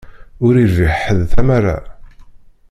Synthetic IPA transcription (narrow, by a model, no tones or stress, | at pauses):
ʊɾiɾviħəðθæmara̰